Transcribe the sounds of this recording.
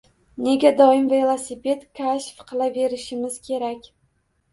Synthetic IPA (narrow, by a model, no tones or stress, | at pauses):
ne̞ɡʲad̪ɒɪmveelˠasipe̞t̪kʰaʃfqʰɨlˠave̞ɾɪʃɪmɪz̥kʲʰe̞ɾakʲ